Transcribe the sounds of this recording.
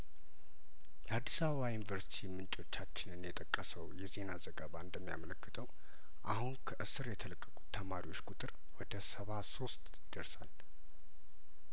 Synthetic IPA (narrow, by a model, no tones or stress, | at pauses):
jɛad̪ːisaβəβajunivəɾsi̥t̪ʰimɨnt͡ʃʼo̞t͡ʃːat͡ʃːɪnɨnjɛt̪ʼəkʼːəsəwjɛze̞nazəɡəβaɨnd̪əmːija̰mələkːɨt̪ʰəw | ʔahunkʰəʔɨsɨɾjɛt̪ʰələkʼːəkʼu̥t̪ʰːəmaɾiwo̞t͡ʃːkʼut̪ʼɨɾ | wɔd̪əsəβaso̞st̪ʼjɪd̪̥əɾsa̰l